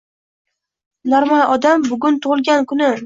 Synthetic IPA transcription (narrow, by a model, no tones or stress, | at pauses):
nɒɾmaj̪ʔɒd̪ambʊɡʲʊnt̪ʰʊʁɨlɡʲankʰʊnɪ